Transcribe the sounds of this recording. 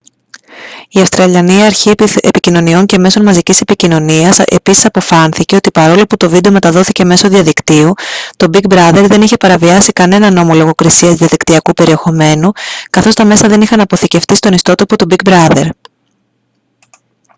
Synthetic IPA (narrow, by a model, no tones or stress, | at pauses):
iɐfst̪ɾɐʎɐniɐɾçiepicino̞nio̞ɲce̞me̞so̞nmɐzicise̞picino̞niɐse̞̰pisi̥sɐpo̞fɐnθice̞o̞t̪ipɐɾo̞lo̞put̪o̞vid̪eo̞me̞t̪ɐðo̞θice̞me̞so̞ðiɐðikt̪iut̪o̞bik̚bɾɐðe̞ɾðe̞niçe̞pɐɾɐviɐsikɐne̞nɐno̞mo̞loɣo̞kɾisiɐzðiɐðikt̪iɐkupe̞ɾie̞xo̞me̞nukɐθo̞st̪ɐme̞sɐðe̞nixɐnɐpo̞θice̞ft̪ist̪o̞nist̪o̞t̪o̞po̞t̪ubik̚bɾɐðe̞̰ɾ